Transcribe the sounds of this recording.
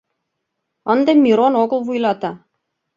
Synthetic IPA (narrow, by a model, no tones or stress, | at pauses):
ənd̪emʲːiɾonoɣə̆lˠβujlˠɑt̪ɑ